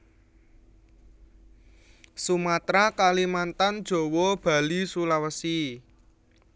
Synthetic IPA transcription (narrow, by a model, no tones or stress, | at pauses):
sumat̪ɾakalimant̪and̥ʒ̥o̤wɔb̥ä̤lisulawəsi